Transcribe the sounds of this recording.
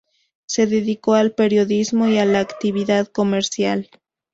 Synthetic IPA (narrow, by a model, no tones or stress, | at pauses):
se̞ðe̞ðiko̞alpe̞ɾjo̞ðizmo̞ialaːkt̪iβiðaðko̞me̞ɾsjal